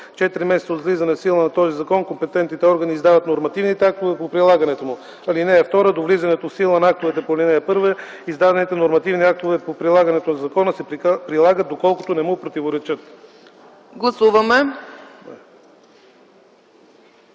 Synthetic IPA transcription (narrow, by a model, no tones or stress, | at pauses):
t͡ʃɛt̪iɾimɛsɛt̪sod̪vlizɐnɛsilˠənɐt̪ɔzizɐkɔnkompɛt̪ɛnt̪nit̪ɛɔɾɡəniːzd̪avət̪noɾmɐt̪ivnit̪ɛak̚t̪ovɛpopɾilˠaɡɐnɛt̪omu | ɐlinɛɐft̪ɔɾəd̪ovlizɐnɛt̪ofsilˠənaak̚t̪ovɛt̪ɛpolinɛɛpɤɾvə | izd̪ad̪ɛnit̪ɛnoɾmɐt̪ivniak̚t̪ovɛpopɾilˠaɡɐnɛt̪onɐzɐkɔnəsɛpɾilˠaɡət̪̚d̪okɔlˠkot̪onɛmupɾot̪ivoɾɛt͡ʃət̪ | ɡlˠɐsuvɐmɛ